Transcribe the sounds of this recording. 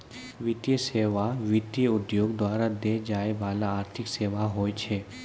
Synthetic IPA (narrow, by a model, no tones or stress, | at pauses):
ʋɪt̪ijəseːʋaʋɪt̪ijəʊd̪joːɡd̪waːɾad̪ed͡ʒaːebaːlaaːɾt̪ʰɪkseːʋaɦoːet͡ʃʰe